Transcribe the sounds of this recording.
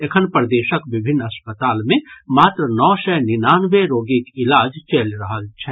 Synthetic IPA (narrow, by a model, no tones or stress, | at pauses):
ekʰənpɾəd̪eːʃəkʋɪbʱɪnːɐspət̪aːlmẽmaːt̪ɾənɔːʃɛːnɪnaːnʋeɾoːɡikɪlaːd͡ʒt͡ʃelɾɐɦəlt͡ʃʰɛː